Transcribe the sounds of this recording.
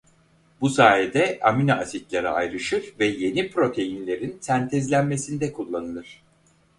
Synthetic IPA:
busaːjed̪ɛaminaːsit̪lʲaɾa̰a̰jɾɯʃɯɾvɛje̞nipɾo̞t̪ʰe̞jinlʲe̞ɾinsænt̪ʰɛzlʲænme̞sind̪ɛkʰulˠːanɯlˠɯɾ̥

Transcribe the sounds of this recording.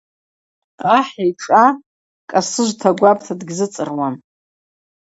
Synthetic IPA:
aħajʈ͡ʂʼa | kʼasɨʒʷtʰaɡʷapʰʼtʰadɡzɨt͡sʼɨ̰rwan

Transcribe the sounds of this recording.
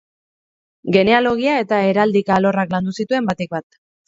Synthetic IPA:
ɡe̞ne̞alo̞ɣ̞iae̞t̪ae̞ɾald̪ikaːlo̞rakland̪usit̪ue̞mbat̪ek̚bat̪

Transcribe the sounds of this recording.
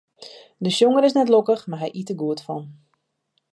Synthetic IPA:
dəʃjoŋəɾɪsnɛtlokəxmaɦɛjʔitəɡuətfɔ̰n

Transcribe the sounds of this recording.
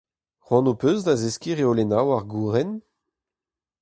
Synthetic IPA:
ʁwɑ̃nopøːzdazeskiʁeolenawaʁɡuʁɛn

